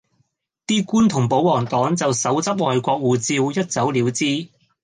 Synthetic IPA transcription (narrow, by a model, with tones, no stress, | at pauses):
t̪iː˥kuː˥nt̪ʰʊ˨˩ŋpo˨˥wwɔː˨˩ŋt̪ɔː˨˥ŋt͡sɐ˨wsɐ˨˥wt͡sɐ˥p̚ŋɔː˨jkʷɔː˧k̚wuː˨˩t͡siː˧wjɐ˥t̚t͡sɐ˨˥wliː˨˥wt͡siː˥